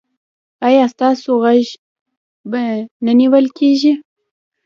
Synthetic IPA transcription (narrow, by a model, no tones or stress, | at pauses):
ɑjɑst̪ɑsoɣaʒ | bananiwəlkʰeʒi